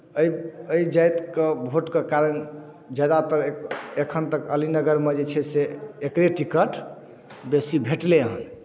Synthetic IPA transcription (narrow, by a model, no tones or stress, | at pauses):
əəid͡ʒajt̪kebʱoʈkekaɾən | d͡ʒad̪at̪əɾeekʰənt̪əkəlinəɡəɾmed͡ʒet͡ʃʰɛseːkɾeʈikəʈ | besibʱeʈleɦə̰n